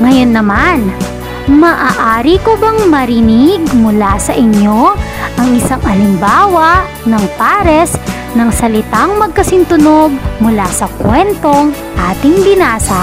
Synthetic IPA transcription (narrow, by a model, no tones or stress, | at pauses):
ŋɐjonːɐman | mɐʔaːʔaːɾikobɐŋmɐɾɪniɡmʊlasɐʔɪɲjo̞ʔɐŋʔɪsaŋɐlɪmbaːwɐ | nɐŋpaːɾɛs | nɐŋsɐlɪt̪aŋmɐɡ̚kɐsɪnt̪ʊno̞ɡ̚mʊlasɐkwɛnt̪o̞ŋ | ʔaːt̪ɪŋbɪnaːsɐ